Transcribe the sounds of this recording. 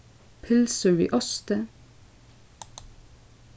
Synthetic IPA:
pʰɪlsəɹḭːʔɔst̪ə

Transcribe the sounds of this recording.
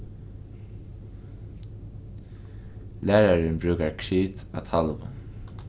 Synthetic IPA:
læːɹaɹɪnbɹʉːkaɹkʰɹiːt̪a̰t̪ʰɑlʋə̰

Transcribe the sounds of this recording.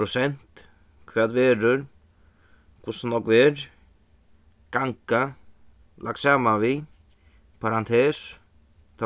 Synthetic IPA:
ɾʊsɛnt̪ | kʰʋaːd̪ʋeːɾəɾ | kʰʊsnɔkːʋeɾ | ɡ̥aŋka | lʔak̪̚saːmaʋi | pʰaɾant̪ʰeːs | t̪ʰa

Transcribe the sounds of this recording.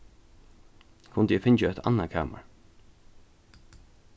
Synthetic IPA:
kʰʊnd̪əjɛfɪnt͡ʃaɛt̪a̰nːakʰa̰ːma̰ɹ

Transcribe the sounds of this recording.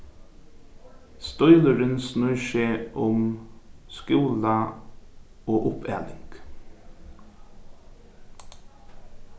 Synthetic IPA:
st̪ɔʏləɾənsnʉːʃeːʔʊm | skuːlɑ | oːʔʊpʰḛːlɪŋɡ̥

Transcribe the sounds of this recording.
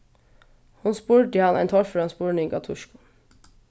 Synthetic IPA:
hʊnspuːʈihɑnʔæ̰ɪnt̪ʰɔɾføɾɑnspuːɳ̩ɪːɡɑ̰t̪ʰʊʃkʊ̥

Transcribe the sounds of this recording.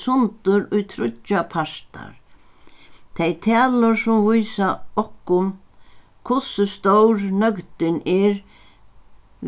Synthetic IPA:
sʊnt̪ʊɾʊjt̪ʰɾʊapʰaɾ̥t̪a̰ɾ | t̪ʰejt̪ʰɛːlʊɾsʊmvujsaɔhkːʊm | kʰʊsʏst̪owɾnœkt̪ɪnɛɾ

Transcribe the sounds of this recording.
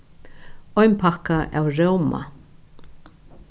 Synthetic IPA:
ɔɥnpʰakaʔa̰wɾowma̰

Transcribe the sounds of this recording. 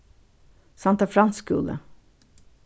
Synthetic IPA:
sɑnt̪ɑfɾɑnskʉ̰ːlə̰

